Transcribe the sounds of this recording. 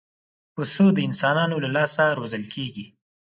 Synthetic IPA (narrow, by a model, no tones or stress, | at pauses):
pəsəd̪əɪnsɑnɑnolalɑsaɾozəlkʰeɡi